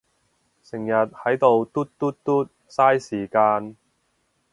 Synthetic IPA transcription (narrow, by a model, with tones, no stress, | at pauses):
sɪ˨˩ŋjɐ˨t̚hɐ˨˥jt̪o˨˧wt̪u˥t̚t̪u˥t̚t̪u˥t̚ | saː˥jsiː˨˩kaː˧n